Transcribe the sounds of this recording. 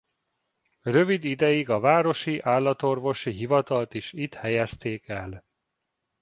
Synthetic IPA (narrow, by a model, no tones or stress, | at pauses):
røvid̪id̪ɛjiɡɒvaːɾo̞ʃiʔaːlːɒt̪o̞rvo̞ʃiɦivɒt̪ɒlt̪iʃit̪hɛjɛst̪eːkɛl